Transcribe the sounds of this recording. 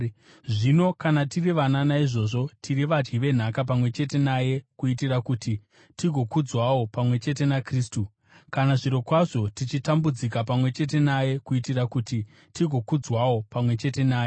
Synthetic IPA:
ʐino̞kanatiriʋananaiʐo̞ʐo̞tʰiriʋad͡ʒɡiʋe̞n̤akap̬amwe̞t͡ʃe̞t̬e̞naje̞kuitirakuːti | tiɡʱo̞kud͡zwawo̞pamwe̞t͡ʃe̞t̬e̞nakriːstu | kanaʐiɾo̞kwaʐo̞tit͡ʃitambud͡zikapamwe̞t͡ʃe̞t̬e̞naje̞kuitirakuti | tiɡʱo̞kud͡zwawo̞pamwe̞t͡ʃe̞te̞naːje

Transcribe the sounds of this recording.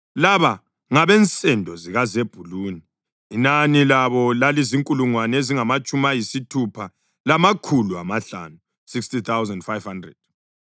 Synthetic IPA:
laβa | ŋaβɛnt͡sʼɛndʱɔziɣazeb̥ʱuluniː | nanilaβɔlaliziŋkʼuluŋwaneziŋamat͡ʃʼumajisitʰupʰa | lamakʰulua̰maɬa̰nu | sikstit̪ʰawzɛndfajv̥handrɛ̰d̥̚

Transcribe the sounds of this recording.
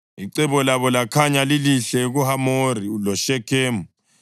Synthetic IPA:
iǀɛβɔlaβɔlakʰaɲaliliɬɛɣuhamoɾilɔʃɛkʰeːmu

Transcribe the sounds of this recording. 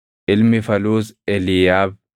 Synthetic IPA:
ɪlmɪfɐluːzɛlijaːb̚

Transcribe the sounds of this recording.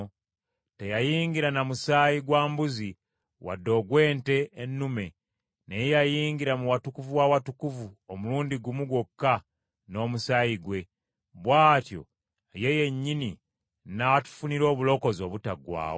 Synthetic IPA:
tejajiːŋɡiɾanamusaːjiɡwaːmbuzi | wa̰dːo̞ːɡwe̞ːnte̞ːnːume̞ | nejejajiːŋɡiɾamuwatukuvuwawatukuvuomuluːndiɡumuɡwokːa | no̞ːmusaːjiɡwe̞ | βwaːtjo̞̰ | je̞je̞ɲːini | natu̥funiɾo̞ːβulo̞ko̞zo̞ːβutaɡwa̰ːwo

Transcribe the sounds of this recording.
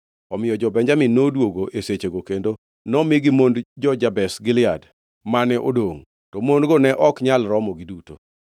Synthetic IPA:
ɔmɪjɔd͡ʒɔbɛɲd͡ʒamɪnodwoɡoʔeset͡ʃeɡokendo | nɔmɪɡimondd͡ʒɔd͡ʒabɛsɡɪlɪad | manɛʔo̰doŋ | tɔmondɡɔnɛʔɔkɲalɾɔmɔɡiduto̰

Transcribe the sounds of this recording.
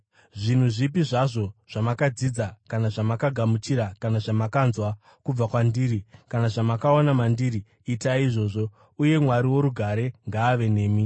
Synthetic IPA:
ʐin̤uʐipiʐaʐo̞ʐ̥amakad͡zid͡zakanaʐamakaɡʱamut͡ʃiɾakanaʐamakanzwa | kub͡vakwandiːɾikanaʐamakaonamandiriː | taiʐo̞ːʐo̞ | uje̞mwaɾiwo̞ɾuɡʱaɾe̞ŋɡaːʋe̞ne̞ːmi

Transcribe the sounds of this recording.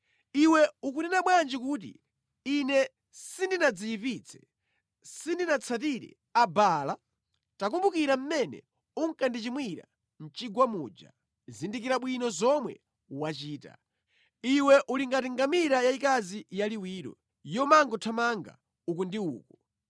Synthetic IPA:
iwɛukuninaɓwand͡ʒikuːt̬ḭː | nɛ | sindinad͡zijipit͡sʰɛ̥ | sindinat͡sʰatiɾɛ̰ | abala | takumbukiɾam̩mɛnɛ̰ | uŋ̩kandit͡ʃimwiɾa̰ | n̩t͡ʃiɡwamuːd͡ʒa̰ | zindikiɾaɓwinɔzɔmwɛ̰ | wat͡ʃiːta̰ | iwɛʔuliŋɡatiŋɡamiɾajaikazijaliwiːɾɔ̰ | jɔmaŋɡɔtʰamaŋɡa̰ | ukundiuːkɔ

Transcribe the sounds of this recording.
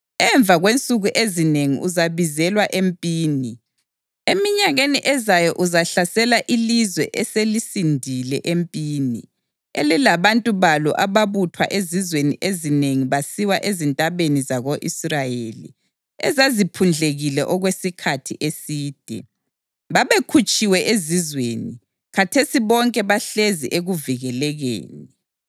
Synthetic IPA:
ɛɱb̪vʱaɣwent͡sʼuɣuʔezineŋḭʔuzaβizɛlwaʔempʼiːni | emiɲaɣeniʔɛzajɔʔuzaɬasɛlaʔilizwɛ̰ʔɛselisindʱilɛʔempʼiːnḭ | ɛ̰lɛlaβantʼuβalɔʔaβaβutʰwa̰ʔezizwenḭʔezineŋiβasiwaʔezintʼaβenizaɣoʔisrajelḭ | ɛ̰zazipʰund͡ɮʱeɣilɛʔɔɣwesikʰatʰiʔesiːd̥ʱɛ̰ | βaβekʰut͡ʃʼiwɛʔezizweːni | katʰesiβɔŋkʼɛβaɬezḭʔeɣuviɣɛlɛɣḛːni

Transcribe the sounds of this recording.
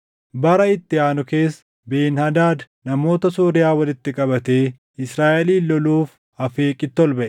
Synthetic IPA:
bɐɾɐɪt̪ːɪaːnʊke̞ːs | beːnhɐd̪aːd̪ | nɐmo̞ːt̪ɐsuːɾɪjaːwɐlɪt̪ːɪkʼɐbɐt̪e̞ː | ɪsɾaːʔɛliːlːɔluːf | ɐfe̞ːkʼɪt̪ːɔlbɐʔɛ

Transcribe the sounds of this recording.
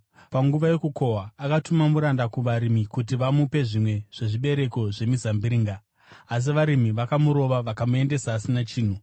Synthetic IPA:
paŋɡuʋaje̞kuko̞ɦaːkatumamuɾandakuʋaɾimikut̬iʋamupe̞ʐimwe̞ʐ̥e̞ʐiɓe̞ɾe̞ko̞ʐe̞mizambiɾiːŋɡaː | s̬iʋaɾimiʋakamuɾo̞ʋaʋakamue̞nde̞saːsinat͡ʃiːn̤u

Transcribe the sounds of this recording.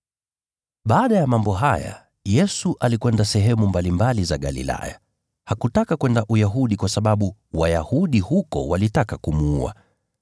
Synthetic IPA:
ɓaːɗajamambɔɦaja̰ | jɛsuʔalikwɛndasɛɦɛmumbalimbalizaɠa̰lḭla̰ja̰ | hakutakakwɛndaʔujaɦuɗikwasaɓaɓuwajahuɗihukɔ̰walitakakumuṵa̰

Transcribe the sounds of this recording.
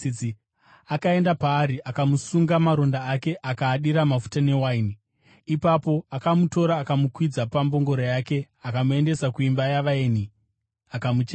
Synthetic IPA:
akae̞ndapaːɾiʔakamusuŋɡamaɾo̞ndaːke̞ʔakaːɗiɾamafu̥tane̞waini | ipapo̞akamuto̞ɾaːkamukwid͡zapambo̞ŋɡo̞ɾajake̞ | akamue̞nde̞sakuimbajaʋaeni | akamut͡ʃ

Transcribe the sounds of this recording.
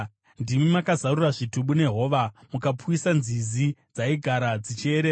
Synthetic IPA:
ndimimakazaruraʐituɓune̞ɦo̞ʋamukapuisanzizid͡zaiɡʱaɾad͡zit͡ʃieɾeːa

